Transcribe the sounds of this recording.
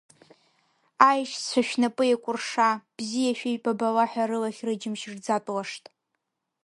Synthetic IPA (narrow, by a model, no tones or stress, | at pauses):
ajʃt͡ɕʷʰaʃᶣnapʼɨjakʷʼʊrʂab̥zijaʃᶣejpʼabalaħʷᶣaɾɨlaχʲrɨd͡ʒɪmʃrd͡zatʼwaʂtʼ